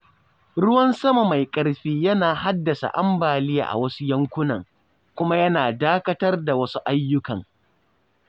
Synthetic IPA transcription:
ɽʊ˦wɐ˦nsɐ˦ma˨ma˨jkʼɐ˨ɽɸiː˦jɐ˦naː˨ha˦dːɐ˨sa̰˨ʔa˦mbaː˨lɪ˦ja̰˨ʔa̰˨wɐ˦su˦jɐ˦ŋkʷʊ˦nɐ˨ŋ | kʷʊ˦ma˦jɐ˦naː˨daː˦kɐ˦tɐ˦rda˨wɐ˦su˦ʔa˦jːʊ˦kɐ˨ŋ

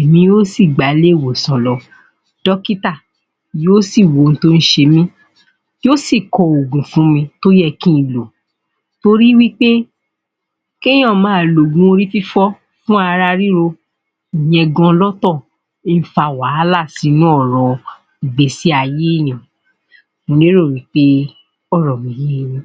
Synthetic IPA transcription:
mĩ˧o˦si˦˨ɡ͡ba˨˦le˦˨wo˨sɔ̃˨lɔ˧˦ | d̥ɔ˦ki˦ta˦˨ | jo˦si˦˨wo˨˦˨n̩˨˦to˦˧n̩˦ʃe˧mĩ˦ | jo˦si˦˨kɔ˧o˨ɡũ˨fũ˦mĩ˧to˦jɛ˦˨kĩ˦˨lo˨ | to˧ɾi˦wi˦k͡pe˦ | kẽ˦ɔ̃˦˨mãː˨lo˨ɡũ˦o˧ɾi˦fi˦fɔ˦ | fũ˦a˧ɾa˧ɾi˦ɾo˧ | i˨j̃ɛ̃˧ɡɔ̃˧lɔ˦tɔ˦˨ | e˦n̩˦fa˧wa˨˦la˦˨si˨˦nũ˦ɔ˦˨ɾɔ˨ | i˨ɡ͡be˨si˦a˧je˦˨nĩ˨ | mõ˨˧ne˦ɾo˦˨wi˨˦k͡pe˦ | ɔ˦˨ɾɔ̃˨mĩ˨˦je˦jĩ˦

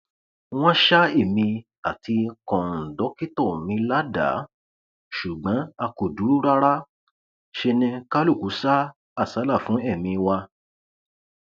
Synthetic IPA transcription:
w̃ɔ̃˦ʃa˦e˦˨mĩ˧ | a˨ti˧kɔ̃˨n̩˨dɔ˨˦ki˦tɔ˦˨mĩ˧la˦da̰˨˦ | ʃu˨ɡ͡bã˨˦a˧ko˨du˨˦ɾu˦ɾa˦ɾa˦ | ʃe˧nɛ̃˧ka˦lu˦˨ku˨˦sa˦ | a˦˨sa˨˦la˦˨fũ˨˦ɛ˦˨mĩ˧wa˧

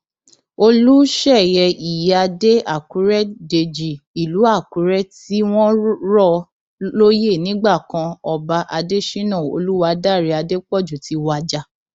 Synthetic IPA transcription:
o˧lu˦ʃɛ˦˨jɛ˧i˨ja˧de˦a˦˨ku˨˦ɾɛ˦de˧d͡ʒi˨i˨lu˨˦a˦˨ku˨˦ɾɛ˦ti˦w̃ɔ̃˦ɾɔ˦˨ | lo˦je˦˨nĩ˨˦ɡ͡ba˦˨kã˧ɔ˧ba˧ʔa˧de˦ʃi˦nã˦˨o̰˧lu˦wa˧˦da˦˨ɾi˧˦a˧de˦k͡pɔ˦˨d͡ʒu˨ti˨˦wa˧d͡ʒa˧

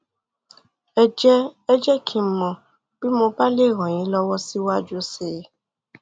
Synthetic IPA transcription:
ɛ˧d͡ʒɛ˦ɛ˦d͡ʒɛ˦kʰĩ˧˨mɔ̃˨ | b̥i˦mo˧ba˦le˦˨ɾ̃ɔ̃˨j̃ĩ˨˦lɔ˦wɔ˦si˦wa˦d͡ʒo˧˦se˨˦

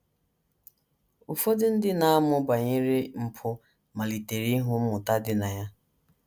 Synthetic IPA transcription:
ʊ˨fo˦dɪ˦n̩˦dɪ˦na˦a˦mʊ˦ba˨ɲi˦ɾi˦m̩˦pʰʊ˦ | ma˨li˨te˨ɾi˦ɦʊ˦m̩˦mʊ˨ta˦dɪ˦na˨ja˦

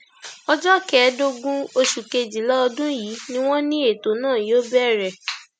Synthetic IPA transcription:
ɔ˧d͡ʒɔ˦kɛ˨˦do˧ɡũ˦o˧ʃu˨ke˧d͡ʒi˨lɔ˦ɔ˧dũ˦jiː˨˦nĩ˦w̃ɔ̃˦nĩ˦e˦˨to˨˦nãː˦˨joː˦bɛ˦˨ɾɛ˨

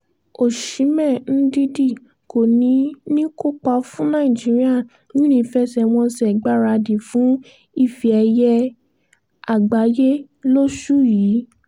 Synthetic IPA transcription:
o˨ʃĩ˨˦mɛ̃˦˨n̩˦di˦di˦˨ | ko˨nĩ˨˦nĩ˦ko˦k͡pa˧fũ˦nã˦˨ĩ˨d͡ʒi˦ɾi˦a˦˨ | nĩ˦ɾ̃ĩ˧˨˧fɛ˦sɛ˧w̃ɔ̃˧sɛ˨ɡ͡ba˦˨ɾa˧di˨fũ˨˦ | i˦˨fi˧ɛ˧jɛ˧ | a˦˨ɡ͡ba˨˦je˦ | lo˦ʃu˦jiː˨˦

